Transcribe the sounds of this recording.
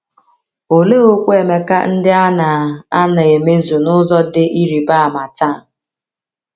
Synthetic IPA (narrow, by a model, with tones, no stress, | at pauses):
o˨le˦o˦kʷe˨me˨ka̰˦n̩˦dɪ˦a˦na˨a˦na˨e˨me˦zu˨nʊ˦zɔ˦dɪ˦ʔi˦ɾi˨ba˦a˨ma˨ta˦˨